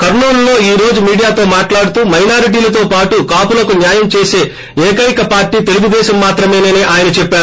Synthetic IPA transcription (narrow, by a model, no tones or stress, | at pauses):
kɐɾɳuːɾlo̞ːiːɾo̞ːd͡ʒumiːɽijaːt̪o̞ːmaːʈlaːɽut̪uːmɐjnaːɾiʈ̬iːlɐt̪̬o̞ːpaːʈukaːpulɐkunjaːjɐmt͡ʃe̞ːse̞ː | eːkɐjikɐpaːɾʈiːt̪e̞luɡud̪ɛːʃɐmːaːt̪ɾɐme̞ːneːneːʔaːjɐnɐt͡ʃɛpːaːɾu